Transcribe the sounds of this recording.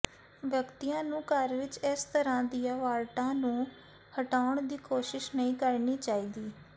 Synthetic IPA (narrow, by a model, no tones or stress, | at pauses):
ʋjəkt̪ijãːnũːkəɾʋɪt͡ʃɪst̪əɾãːd̪ijãːʋaːlʈãːnũː | həʈaːʊɳd̪iːkoːʃɪʃnəĩːkəɾniːt͡ʃaːiːd̪iː